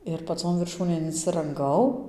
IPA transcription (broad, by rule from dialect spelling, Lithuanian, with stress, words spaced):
ɪr pɐˈt͡soːn ʋʲɪrˈʃuːnʲeːn ɪnʲsʲɪrɐŋˈɡɐʊ